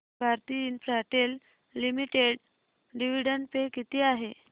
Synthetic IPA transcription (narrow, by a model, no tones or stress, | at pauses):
bʱaɾt̪iːnpɾaʈelː | imiʈeɽ | ɖiʋ̤iɽəɳpekit̪iːaɦe